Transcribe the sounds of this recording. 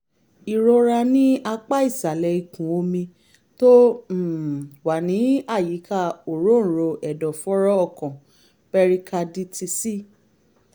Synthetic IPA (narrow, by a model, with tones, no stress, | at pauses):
i˨ɾo˧ɾa˧nĩ˦a˧k͡pa˦i˦˨sa˨lɛ˨i˨kũ˨˦o˧mĩ˧ | tõ˦˨ | wa˨nĩ˨˦a˦˨ji˨˦ka˦˨o˨ɾõ˦˨ɾo˧ɛ˨dɔ˨fɔ˦ɾɔ˦ɔ˦˨kɔ̃˨ | pɛ˧ɾi˧kʰa˧di˦tʰi˧si˦